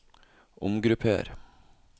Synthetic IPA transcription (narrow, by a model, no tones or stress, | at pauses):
ʔʊmɡɾʉpʰḛːɾ